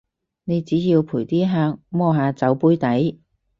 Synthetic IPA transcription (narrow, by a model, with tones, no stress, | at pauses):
ne˨˧jt͡siː˨˥jiː˧wpʰuː˨˩jt̪iː˥ɦaː˧ŋ̚mɔː˧ɦaː˨˧t͡sɐ˨˥wpuː˥jt̪ɐ˨˥j